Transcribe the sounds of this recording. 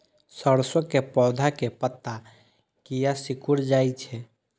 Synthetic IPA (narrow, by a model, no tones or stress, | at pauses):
səɾsəkːepɔwd̪ʱakepət̪ːa | kijasikʰuɾd͡ʒajt͡ʃʰɛ